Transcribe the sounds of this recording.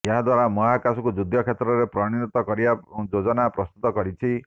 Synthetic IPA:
eɦad̪waɾamɔɦakasɔkud͡ʒud̪ʱɔkʰet̪ɾɔɾepɾɔɽ̃init̪ɔkɔɾibad͡ʒod͡ʒɔnapɾɔst̪ut̪ɔkɔɾit͡ʃʰi

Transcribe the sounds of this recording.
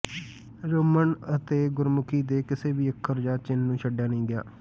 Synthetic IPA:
ɾʊməɳət̪eːɡʊɾmʊkʰiːd̪eːkɪseːbiːəkʰːəɾd͡ʒãːt͡ʃɪnːũːʃʰəɖjaːnəĩːɡɪja̰ː

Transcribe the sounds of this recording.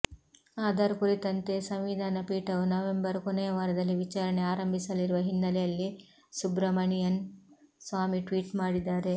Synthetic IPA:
aːd̪aɾukuɾit̪ɐnt̪e̞sɐmʋid̪ʱaːnɐpiːʈɐʋunɐʋe̞mbɐɾkonɛjɐʋaːɾɐd̪ɐlːiʋit͡ʃaːɾɐɳeaːɾɐmbʱisɐliɾuʋɐɦinːɐlɛjɐlːi | subɾɐmɐɳijɐnsʋaːmiʈʋiːʈmaːɽid̪ːaːɾe̞

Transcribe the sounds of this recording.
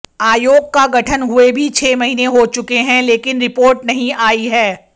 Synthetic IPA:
aːjoːɡ̚kaɡɐʈʰənɦʊebʱit͡ʃʰeːmɐɦiːneɦot͡ʃʊkeɦɛ̃leːkɪnɾɪpoːɾʈnɐɦĩaːiɦɛː

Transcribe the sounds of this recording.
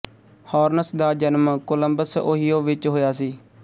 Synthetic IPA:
hɔːɾnəsd̪aːd͡ʒənmkoləmbəso̰ːɦɪjoːʋɪt͡ʃɦoːjaːsiː

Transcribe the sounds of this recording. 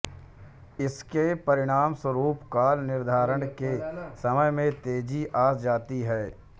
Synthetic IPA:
ɪskepɐɾɪɽ̃aːmswəɾuːpkaːlnɪɾd̪ʱaːɾəɽkesɐməjmẽt̪eːd͡ʒiʔaːsd͡ʒaːt̪iɦɛː

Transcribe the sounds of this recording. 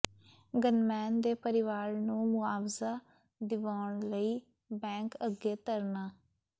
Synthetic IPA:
ɡənmɛːnd̪eːpəɾɪʋaːɾnũːmʊaːʋzaː | d̪ɪʋaːɳləiː | bɛ̃ːŋkəɡːeːt̪əɾnaː

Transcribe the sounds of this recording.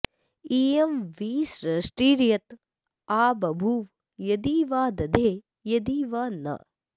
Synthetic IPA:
iːemʋiːsɾɐʂʈɾiːɾjɐt̪ | aːbɐbʱuʋ | jɐd̪iːʋaːd̪ɐd̪ʱeː | jɐd̪iːʋaːnɐ̰

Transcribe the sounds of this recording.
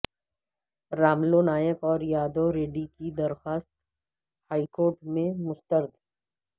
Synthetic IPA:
ɾaːmlonaːjəkɔːɾjaːd̪oɾeːɖikid̪ɐɾxaːst̪̚ | haːikoːɾʈmẽmʊst̪əɾd̪

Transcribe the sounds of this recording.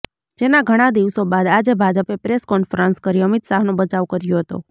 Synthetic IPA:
d͡ʒenaɡʱəɽ̃ad̪iʋsobad̪ad͡ʒebʱad͡ʒəpepɾeskɔnfɾənskəɾiəmit̪saɦnõbət͡ʃaʋkəɾjoɦət̪o̰

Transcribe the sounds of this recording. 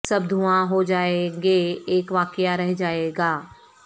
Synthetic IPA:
sɐb̚d̪ʱuãɦod͡ʒaːeɡeeːkʋaːkjaɾɛɦd͡ʒaːeːɡaː

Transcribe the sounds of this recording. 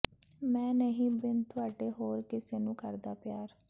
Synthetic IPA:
mɛ̃ːnəɦĩːbɪnt̪ʰʊaːɖeːɦoːɾkɪseːnũːkəɾd̪aːpɪjaːɾ

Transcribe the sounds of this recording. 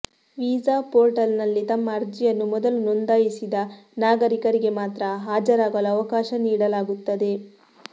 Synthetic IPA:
ʋiːzaːpoːɾʈɐlnɐlːit̪ɐmːɐːɾd͡ʒijɐnːumɔd̪ɐlunond̪aːjisid̪ɐnaːɡɐɾikɐɾiɡe̞maːt̪ɾɐɦaːd͡ʒɐɾaːɡɐluɐʋɐkaːʃɐniːɽɐlaːɡut̪ːɐd̪e̞

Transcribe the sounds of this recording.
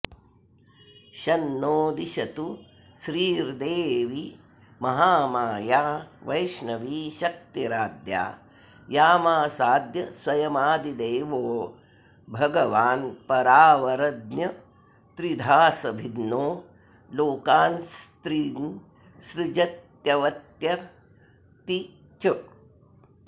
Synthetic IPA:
ʃɐnːoːd̪iʃɐt̪u | ʃɾiːɾd̪eːʋi | mɐɦaːmaːjaːʋɐjʃnɐʋiʃɐk̚t̪iɾaːd̪ja̰ː | jaːmaːsaːd̪jɐswɐjɐmaːd̪id̪eːʋoː | bʱɐɡɐʋaːnpɐɾaːʋɐɾɐd̪njɐ | t̪ɾid̪ʱaːsɐbʱid̪noː | loːkaːnst̪ɾiːn | ʃɾud͡ʒɐt̪jɐʋɐt̪jɐ | t̪i | t͡ʃɐ

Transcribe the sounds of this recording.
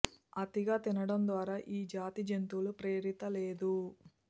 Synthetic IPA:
ɐt̪iɡaːt̪inɐɽɐmd̪ʋaːɾaːʔiːd͡ʒaːt̪id͡ʒent̪ulupɾeːɾit̪ɐleːd̪u

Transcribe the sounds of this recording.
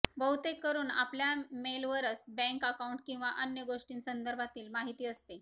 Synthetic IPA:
bəɦut̪ekːəɾuːna̰pljamelʋəɾət͡sbɛ̃ŋkəkauɳʈkĩw̃ʋaʔənjəɡoʂʈiːnsənd̪əɾbʱat̪iːlmaɦit̪iːəst̪e

